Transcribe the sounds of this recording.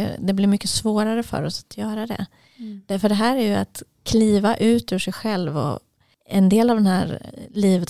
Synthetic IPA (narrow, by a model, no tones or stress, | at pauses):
jɵ̰d̪ɛblɪɾmʏkːəsvoːɾaɾəfœ̰ɾɔsḁt̪ʰjœːɾad̪ɛ̰ | d̪̥fœɖɛɦæːɾæɾjɵat̪ | kʰliːvaʔʉ̟ːt̪ʉːʂɛjɧɛlvɔ̰ | ɛnd̪eːlavd̪ɛnhæːɾliːvət̪